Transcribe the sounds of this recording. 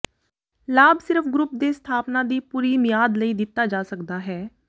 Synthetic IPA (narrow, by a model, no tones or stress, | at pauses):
laːbsɪɾəfʰɡɾʊp̚d̪eːst̪ʰaːpnãːd̪iːpuːɾiːmɪjaːd̪ləiːd̪ɪt̪ːaːd͡ʒaːsəkd̪aːɦɛː